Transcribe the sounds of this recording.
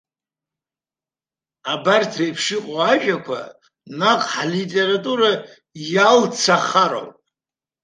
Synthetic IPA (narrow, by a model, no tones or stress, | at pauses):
abartʰrajpʰʃɪqʼoaʒᶣʼakʷʰa̰ | naqʼħalitʼeɾatʼuɾa | jalt͡sʰaχaɾo̰wpʼ